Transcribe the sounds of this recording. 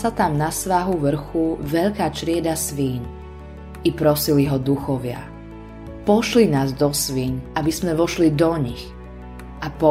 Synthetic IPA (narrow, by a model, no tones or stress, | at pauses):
sat̪amnasʋaɦuʋr̩xuʋɛʎkaːt͡ʃɾɪɛd̪asʋiːɲ | ipɾɔsiliɦɔd̪uxɔʋɪa̰ | pɔʃlinaːzd̪ɔsʋiːɲabizmɛʋɔʃlid̪ɔɲix | ʔapɔ